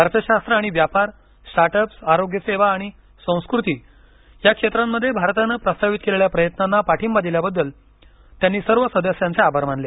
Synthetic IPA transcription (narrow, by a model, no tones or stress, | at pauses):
bʱaɾt̪əɕast̪ɾəaɽ̃iʋjapaɾ | sʈaʈəpsaɾoɡjəseʋaːɽ̃i | sə̃w̃skɾut̪iː | jakʂet̪ɾamːəd̪ʱːjebʱaɾt̪anːəpɾəst̪aʋit̪keleɭjapɾəjət̪nanːapaʈʰiːmbad̪iljabəd̪ːəl | t̪janːiːsəɾʋəsəd̪əsjãnt͡seabʱaɾmanle